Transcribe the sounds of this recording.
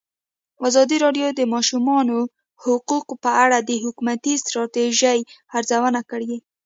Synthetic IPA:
ɑzɑd̪iɾɑɖjod̪əmɑʃumɑno | hʊquqpəaɽad̪əɦʊkumat̪ist̪ɾɑt̪eʒajaɾzawənakəɽe

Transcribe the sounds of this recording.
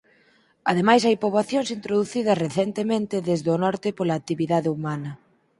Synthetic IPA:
ɐðemajsajpoβaθjoŋsint̪ɾoðuθið̞ɐsreθɛnt̪emẽnt̪ɪðezðonɔɾt̪ɪpolaːk̚t̪iβiðaðeumanɐ

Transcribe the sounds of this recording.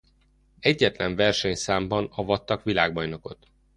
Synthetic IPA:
ɛɟːɛt̪lɛɱvɛrʃɛɲsaːmbɒnɒvɒt̪ːɒkʋilaːɡ̚bɒjno̞ko̞t̪

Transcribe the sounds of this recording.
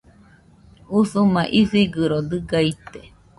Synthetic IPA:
usumãʔisiɡɨɾod̪ɨɡait̪e

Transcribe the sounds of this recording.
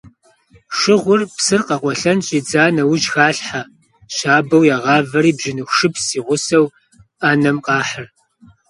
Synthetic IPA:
ʂɪʁʷʊrpsɨrqɐqʷʼɔɬɐnɕʼid͡zaːnɐwʊʒxaːɬħa | ɕaːbɐwjaːʁɑːvɐɾiːbʒɪnɨxʷʂɨpsiːʁʷʊsɐw | aːnɐmqʼɑːħər

